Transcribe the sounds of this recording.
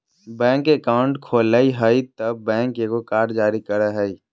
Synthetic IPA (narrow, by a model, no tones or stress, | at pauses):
bɛ̃ːŋkeːkaːʊɳʈkʰoːləiɦəit̪əb̚ːɛ̃ːŋkekokaːɾd͡ʒaːɾikəɾəɦəi